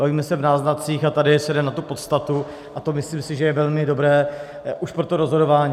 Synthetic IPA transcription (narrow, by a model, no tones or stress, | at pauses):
baviːmɛsɛvnaːznat̪t͡siːxat̪adɪsɛdɛnat̪upo̞t̪st̪at̪u | ʔat̪o̞mɪsliːmsɪʒɛjɛvɛlmɪdo̞bɾɛː | ʔuʃpɾo̞t̪oɾo̞zɦo̞do̞vaːɲiː